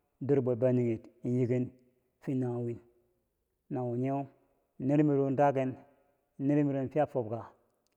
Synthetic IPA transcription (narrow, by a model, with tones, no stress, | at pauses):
du˦ɾbo˨ba˦ni˨ŋi˨ti˨nji˦ɡi˦n | fi˦na˨wi˦n | na˨wu˨ɲe˦˨ | ni˦ɾmi˨ɾo˦nda˦ɡe˦n˦ | ne˦ɾmi˨ɾo˨˦nfi˦a˦fo˨bɡa˨